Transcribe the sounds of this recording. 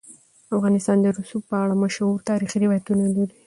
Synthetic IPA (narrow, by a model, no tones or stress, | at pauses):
afɣɑnɪst̪ɑnd̪əɾʊsupəaɽamaʃuɾt̪ɑɾixiɾɪwɑjat̪unaluɾi